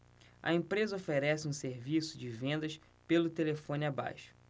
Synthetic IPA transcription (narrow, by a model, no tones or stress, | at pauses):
ɐ̰ẽpɾezɐofeɾɛsɪũseɾvisʊd͡ʒɪvẽnd̪ɐʃ | pelʊt̪elefõnɪaba̰jʃʊ̥